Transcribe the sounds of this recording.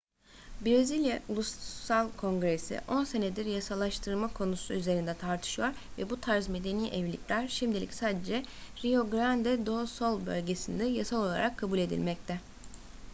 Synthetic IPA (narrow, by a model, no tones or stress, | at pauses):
bɾezilʲjaulˠussalˠkʰõ̞ŋɡɾe̞sḭʔo̞nse̞ned̪iɾjasalˠaʃt̪ʰɯɾmakʰo̞nusuyze̞ɾind̪ɛt̪ʰaɾt̪ʰɯ̥ʃɯjo̞ɾvɛbut̪ʰaɾzme̞d̪e̞niːʔɛvlʲḭcʲlʲæɾʃimd̪ilʲḭcʲsaːd̪ed͡ʒɛ | ɾio̞ɡɾand̪ɛd̪o̞so̞lˠbø̰lʲɟe̞sind̪ɛjasalˠo̞lˠa̰ɾakʰːabulʲe̞d̪ḭlʲmɛc̚t̪ʰɛ